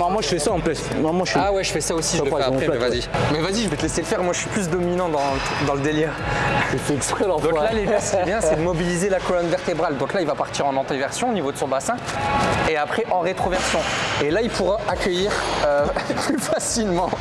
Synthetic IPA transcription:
mɔ̃mwaʒəfɛsaɑ̃pɛs | nɔ̃mwaʒfawɛʒəfɛsaosiʒɛapɛɛvazimɛvaziʒəvøt̪əlɛseləfɛʁmwaʒəʃɥiplys̬d̪ɔminɑ̃d̪ɑ̃ | d̪ɑ̃ləd̪eljɛʁt̪ɛkstχɛlɔ̃fd̪ɔ̃klaledasə̥kiɛbjɛ̃sɛd̪əmɔbilizelakɔlɔnvɛʁt̪ebʁald̪ɔ̃klailvapaʁt̪iʁɑ̃nɑ̃t̪evɛʁsjɔ̃onivod̪əsɔ̃basɛ̃eapχɛʔɑ̃ʁet̪χovɛʁsjɔ̃elailpʰuʁaakʲœjiʁøplyfasilmɑ̃

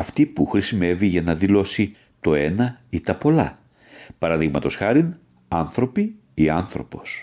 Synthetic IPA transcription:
ɐft̪ipuxɾisime̞viʝɐnɐðilo̞si | t̪o̞e̞nɐit̪ɐpo̞lɐ | pɐɾɐðiɣmɐt̪o̞sxɐɾin | ɐnθɾo̞pi | iɐnθɾo̞̰po̞s

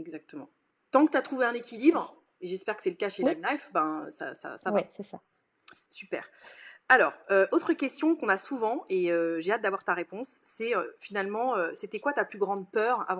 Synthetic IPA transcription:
ɛɡzak̚t̪əmɑ̰̃ | t̪ɑ̃kət̪yat̪χuveɛ̃nekʲilibʁ | eʒɛspɛʁkə̥sɛləkaʃelɛmlajfbɛ̃ø̰sa̰sa̰savasɛsa | sypɛ̰ːʁalɔːʁøʔot̪χəkʲɛst̪jɔ̃kɔ̃nasuvɑ̃eøʒeat̪̚d̪avwaʁt̪aʁepɔ̃sːɛøfinalmɑ̃øset̪ɛkwat̪aplyɡʁɑ̃d̪̚pœːʁa̰vɑ̃

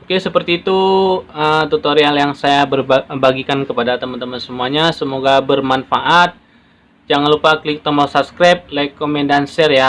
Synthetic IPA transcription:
okesəpərt̪iːt̪uət̪ut̪oɾialjaŋsajabərbbaɡikankəpadat̪əmənt̪əmənsəmuaɲasəmoɡabərmanfaʔat̪̚ | d͡ʒaŋanlupaklɪk̚t̪əmɔsap̚skɾap̚lekomendansɛrja

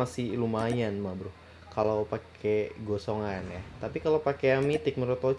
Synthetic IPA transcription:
asilumajanmabɾʊh | kalowpakʰeɡosoŋanjat̪apikalopakeamit̪ɪk̚məɾot̪o

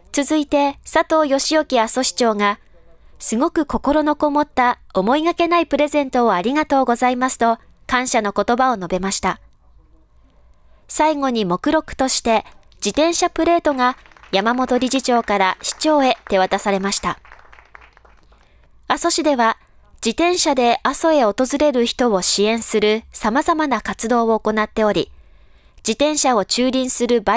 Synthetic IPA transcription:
t͡sɨzɨit̪e̞sat̪o̞ːjo̞ɕijo̞kʲiaso̞ɕi̥t͡ɕo̞ːŋa | sɨɡo̞kɯ̟ko̞ko̞ɾo̞no̞ko̞mo̞t̪ːao̞mo̞iɡake̞naipɯ̟ɾe̞zẽ̞nt̪o̞ːaɾʲiɡat̪o̞ːɡo̞zaimasɨ̥t̪o̞ | kãɰ̃ɕano̞ko̞t̪o̞bao̞no̞be̞maɕi̥t̪a | saiŋo̞ɲ̟imo̞kɯ̟ɾo̞kɯ̟̥t̪o̞ɕi̥t̪e̞ | d͡ʑit̪ẽ̞ɰ̃ɕapɯ̟ɾe̞ːt̪o̞ŋa | jamamo̞t̪o̞ɾʲiʑit͡ɕo̞ːkaɾaɕi̥t͡ɕo̞ːe̞t̪e̞β̞at̪asaɾe̞maɕi̥t̪a | aso̞ɕid̪e̞β̞a | d͡ʑit̪ẽ̞ɰ̃ɕad̪e̞ʔaso̞e̞o̞t̪o̞zɨɾe̞ɾɯ̟çi̥t̪o̞βo̞ɕiẽ̞ɰ̃sɨɾɯ̟samazamanakat͡sɨd̪o̞ːoːko̞nat̪ːe̞o̞ɾʲi | d͡ʑit̪ẽ̞ɰ̃ɕao̞t͡ɕɨːɾʲĩɰ̃sɨɾɯ̟ba

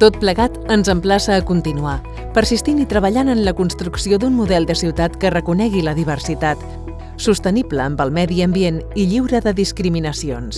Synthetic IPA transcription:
t̪ot̪̚pləɣat̪ənzəmplasəːkunt̪inua | pəɾsist̪init̪ɾəβəʎanənləkunst̪ɾuksioðunmuðɛlˠd̪əsiwt̪at̪kərəkunɛɣiləðiβ̞ərsit̪at̪ | sust̪ənibləːmbəlˠmɛðiəmbieniʎiwɾəðəðiskɾiminəsions

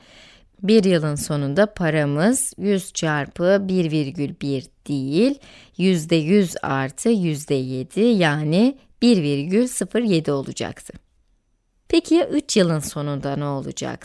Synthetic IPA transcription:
biɾjɯlˠɯnso̞nund̪apʰaɾamɯz̥jyz̥t͡ʃʰaɾpʰɯbiɾviɾɟylʲbiɾd̪̥ijilʲ | jyzd̪ɛjyza̰ɾt̪ʰɯjyzd̪ɛje̞d̪ijaːni | b̥iɾviɾɟylʲsɯfɯɾje̞d̪io̞lˠud͡ʒa̰kt̪ʰɯ̥ | pʰecʰiʔyt͡ʃjɯlˠɯnso̞nund̪anɛolˠṵd͡ʒa̰k̚

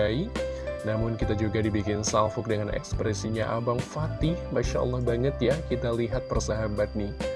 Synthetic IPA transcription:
ainamʊnkit̪ad͡ʒuɡadibikɪnsalfʊk̚dəŋanɛ̰kspɾɛsiɲaʔabaŋfat̪ɪhmaʃaʔa̰lːɑhbaŋət̪jakit̪aliɦat̪̚pərsaɦabat̪̚nɪ

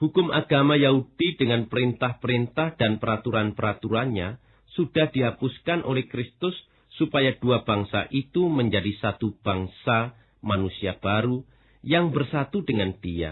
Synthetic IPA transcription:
hukʊmʔaɡamajaɦud̥idəŋanpəɾint̪ahpəɾint̪ahd̥anpəɾat̪uɾanpəɾat̪uɾanɲa | sudahdiɦapʊskanʔolɛhkɾɪst̪ʊsː | upajaduab̥aŋsa̰ʔit̪uməɲd͡ʒadisat̪ub̥aŋsa | manusiab̥aɾu | jaŋbərsat̪udəŋand̥ia̰

